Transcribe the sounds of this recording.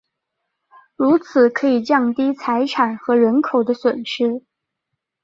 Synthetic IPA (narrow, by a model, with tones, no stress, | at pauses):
ɻu˧˥t͡sʰɹ̩˨˩kʰɤ˧˥i˨˩t͡ɕjɑ˥˩ŋt̪i˥t͡sʰa˧˥ɪʈ͡ʂʰa˨˩nxɤ˧˥ɻə˧˥nkʰo˨˩ʊd̪ə˦swə˨˩nʂɻ̩˥